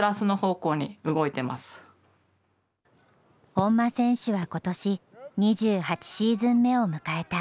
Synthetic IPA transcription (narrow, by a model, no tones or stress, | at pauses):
ɾasɨno̞ho̞ːko̞ːɲ̟iɯɡo̞it̪e̞ma̰sɨ̥ | hõ̞mːasẽ̞ɰ̃ɕɨβako̞t̪o̞ɕiɲ̟iʑɨːhat͡ɕi̥ɕiːzɨ̃mːe̞o̞mɯ̟kae̞t̪a